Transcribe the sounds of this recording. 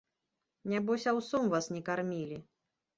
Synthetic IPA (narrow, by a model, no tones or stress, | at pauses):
nʲabɔsʲawsɔmvasnʲɛkarmʲilʲi